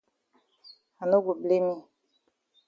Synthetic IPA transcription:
ha˨no˦ɡu˨ble˦mĩ˦

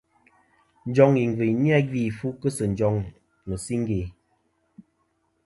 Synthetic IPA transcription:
n̩˨˦d͡ʒɔ˦ŋi˨ŋ˨vi˨jni˦a˦ɡi˦˨fu˦kə˦sə˨n˨d͡ʒɔ˨˦ŋ | mə˨si˦ŋ˦ɡe˨

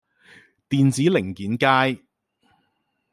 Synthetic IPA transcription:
t̪iː˨nt͡siː˨˥lɪ˨˩ŋkiː˨˥nkaː˥j

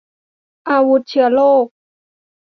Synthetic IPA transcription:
ʔaː˧wu˧˦˥t̪̚t͡ɕʰɯ˩˦ɐloː˥˩k̚

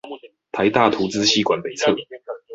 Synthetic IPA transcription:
t̪ʰa˨˧˦ɪt̪a˥˨˩t̪ʰu˨˥t͡sɹ̩˥˦ɕi˥˩kwa˨˩npe˨˩ɪt͡sʰɤ˥˩

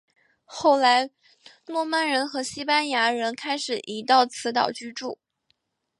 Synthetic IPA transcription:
xo˥˩ʊla˧˥ɪ | lwɔ˥˧ma˥˩nɻə˧˥nxɤ˧˥ɕi˥pa˥nja˧˥ɻə˧˥nkʰa˥ɪʂɻ̩˨˩ʔi˧˥t̪ɑ˥˩ʊt͡sʰɹ̩˧˥t̪ɑ̰˨˩ʊt͡ɕy˥˧ʈ͡ʂu˥˩

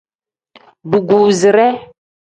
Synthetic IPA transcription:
ɖu˨ɡu˨zi˨ɾɛ˦

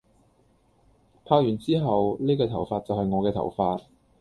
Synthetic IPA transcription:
pʰaː˧k̚jyː˨˩nt͡siː˥ɦɐ˨wniː˥kɔː˧t̪ʰɐ˨˩wfaː˧t̚t͡sɐ˨whɐ˨jŋɔː˨˧kɛː˧t̪ʰɐ̰˨˩wfaː˧t̚

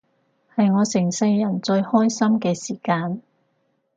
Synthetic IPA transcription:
hɐ˨jŋɔː˨˧sɪ˨˩ŋsɪ˧jɐ˨˩nt͡ʃɵ˧ɥhɔː˥jsɐ˥mkɛː˧siː˨˩kaː˧n

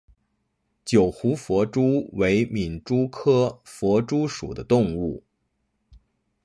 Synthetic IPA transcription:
t͡ɕjo˨˩ʊxu˧˥fwɔ˧˥ʈ͡ʂu˥we˧˥ɪmi˨˩nʈ͡ʂu˥kʰɤ˥fwɔ˧˥ʈ͡ʂu˥ʂṵ˨˩d̪ə˦t̪ʊ˥˧ŋu˥˩

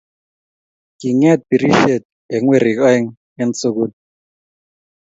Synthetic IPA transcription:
ki˨ŋɛ˦˨t̚pi˨ɾi˦ʃe˦˨t̪̚ | ɛ˨ŋwe˦˨ɾi˨kɔ˦ɛ˦ŋ | ɛ˦n̩˦t͡so˦ku˦n̚

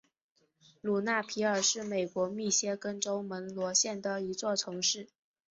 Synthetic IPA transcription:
lu˨˩na˥˩pʰi˧˥ə˞˨˩ʂɻ̩˥˩me˨˩ɪkwɔ˧˥mi˥˩ɕjɛ˥kə˥nʈ͡ʂo˥ʊmə˧˥nlwɔ˧˥ɕjɛ˥˩nd̪ə˩i˧˥t͡swɔ˥˩t͡sʰɤ˧˥ŋʂɻ̩˥˩

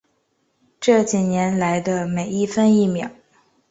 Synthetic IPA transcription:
ʈ͡ʂɤ˥˩t͡ɕi˨˩njɛ˧˥nla˧˥ɪd̪ə˧me˨˩ɪi˥˩fə˥ni˥˩mjɑ˨˩˦

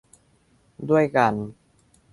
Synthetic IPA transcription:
du˥˩əjka˧n

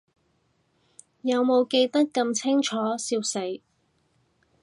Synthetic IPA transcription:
jɐ˨˧wmo˨˧wke˧jt̪ɐ˥kːɐ˧mt͡sʰɪ˥ŋt͡ʃʰɔː˨˥siː˧wse˨˥j

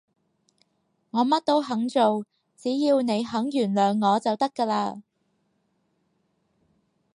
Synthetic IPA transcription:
ŋɔː˨˧mɐ˥t̚t̪o˥wɦɐ˨˥ŋt͡so˨w | t͡siː˨˥jiː˧wne˨˧jɦɐ˨˥ŋjyː˨˩nlœː˨˧ŋːɔː˨˧t͡sɐ˨wt̪ɐ˥kːaː˧laː˧

